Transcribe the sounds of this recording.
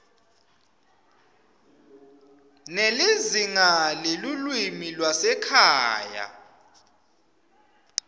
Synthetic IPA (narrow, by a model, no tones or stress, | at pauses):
neleziŋalelulwimilwasɛkʰaːja̰